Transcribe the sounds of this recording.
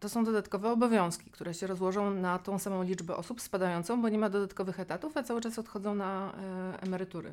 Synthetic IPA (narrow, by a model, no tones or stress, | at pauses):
t̪ɔsɔ̃w̃d̪ɔd̪at̪kɔvɛɔbɔvʲjɔ̃w̃skʲi̥kt̪uɾɛɕɛɾɔzwɔʐɔ̃w̃nat̪ɔ̃w̃samɔ̃w̃lʲid͡ʐbɛʔɔsupspad̪ajɔnt̪sɔ̃w̃bɔɲɛmad̪ɔd̪at̪kɔvɘxɛt̪at̪ufat̪sawɘt͡ʂasɔt̪xɔd̪zɔ̃w̃naɛ̰mɛɾɘt̪uɾɘ̰